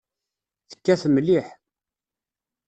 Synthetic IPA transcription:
θə̥kːæθəmliħ

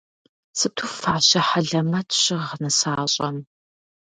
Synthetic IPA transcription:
sɨtʰufaːɕɐħɐɮɐmɐtʰɕɪʁnɨsaːɕʼɐm

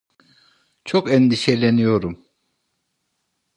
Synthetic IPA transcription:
t͡ʃʰokɛnd̪iʃelʲenijo̞ɾum

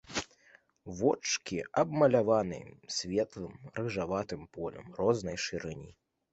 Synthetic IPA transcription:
vɔt͡ʂkʲiɐbmɐlʲavanɨ̰jsʲvʲɛt̪lˠɨmɾɨʐavat̪ɨmpɔlʲɐ̰mrɔznɐjʂɨɾɨnʲi

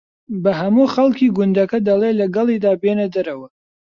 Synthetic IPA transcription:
bɐɦɐmuːxɐlˠkiːɡʊnd̪ɐkɐd̪ɐlˠelɐɡɐlˠiːd̪aːbeːnɐd̪ɐɾɐwɐ

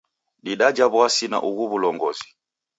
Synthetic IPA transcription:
ɗiɗad͡ʒaβwasina̰ʔuɣuβulɔŋɡɔzi̥

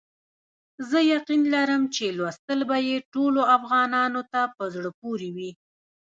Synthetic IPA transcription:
zəjaqinlaɾəmt͡ʃelwast̪əlbajeʈoloafɣɑnɑnot̪apəzɽəpoɾiwi

